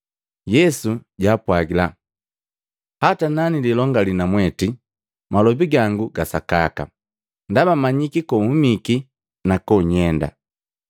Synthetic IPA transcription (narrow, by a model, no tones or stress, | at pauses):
jɛsuɟaːpwaɡila | hatananililɔŋɡalinamwɛti | malɔbiɡaŋɡuɡasakaka̰ | ndabamaɲikikɔumiki | nakɔɲɛnda̰